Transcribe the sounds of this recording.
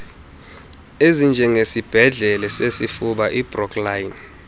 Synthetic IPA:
ezind͡ʒʱɛŋesib̥ʱɛɮɛlɛsesifuɓaʔib̥rɔkʰlajn

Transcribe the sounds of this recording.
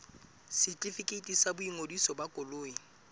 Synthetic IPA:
sɪt͡ɬʼifikʼetʼisabʊiŋodisɔbakʼʊloːi

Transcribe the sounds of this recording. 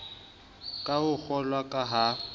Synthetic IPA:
kʼahʊk͡xʰɔlwakʼaɦa

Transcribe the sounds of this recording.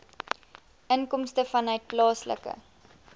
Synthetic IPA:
ʔənkɔmstəfɐnœɥt̚plɑːslə̰kə̰

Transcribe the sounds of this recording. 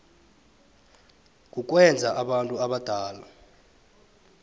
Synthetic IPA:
k̬ʼuk̬wɛnd͡zʱaʔaɓantʼuaɓad̥ʱaːla

